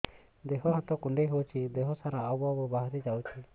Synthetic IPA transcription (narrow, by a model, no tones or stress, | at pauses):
d̪eɦɔɦat̪ɔkuɳɖeɦewt͡ʃʰid̪eɦɔsaɾaːwbabɔbaɦaɾid͡ʒawt͡ʃʰi